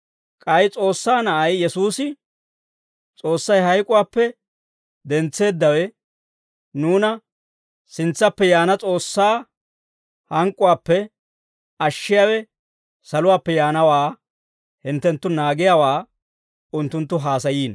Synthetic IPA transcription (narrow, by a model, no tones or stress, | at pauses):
kʼɐjt͡sʼo̞ːsːaːnɐʔɐjjɛsuːsɪ | t͡sʼo̞ːsːɐjɦɐjkʼʊwaːpːɛ | d̪ɛnt͡sːe̞ːd̪ːɐwɛ | nuːnɐ | sɪnt͡sːɐpːɛjaːnɐt͡sʼo̞ːsːaː | hɐŋkʼːʊwaːpːɛ | ɐʃːɪjawɛ | sɐlʊwaːpːɛjaːnɐwaː | hɪnt̪ːɛnt̪ːʊnaːɡɪjawaː | ʊnt̪ːʊnt̪ːʊɦaːsɐjiːn